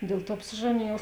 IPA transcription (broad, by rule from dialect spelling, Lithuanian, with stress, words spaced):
ˈdʲeːlˠ ˌtuɔ ɐpʲsʲɪˈʒɑːnʲeːjɛʊ